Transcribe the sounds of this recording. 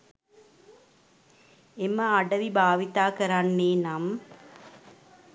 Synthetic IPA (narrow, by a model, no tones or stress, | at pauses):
eməaɖəʋibʱaːʋit̪aːkəɾanːeːnam